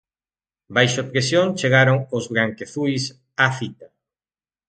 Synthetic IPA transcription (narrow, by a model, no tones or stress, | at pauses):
bajʃopɾesjõŋt͡ʃeɣaɾoŋozβɾaŋkeθujs | aθit̪a